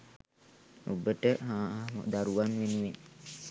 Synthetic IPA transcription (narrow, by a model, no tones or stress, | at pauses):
o̰bəʈəɦaːmə̰d̪aɾuʋanʋenuʋen